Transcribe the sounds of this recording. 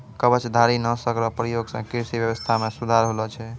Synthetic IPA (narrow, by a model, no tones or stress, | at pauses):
kəbət͡ʃd̪ʱaɾinəsəkɾɔpɾəjoɡsə̃kiɾsibjəβəst̪ʰamesud̪ʱaɾɦolɔt͡ʃʰɛ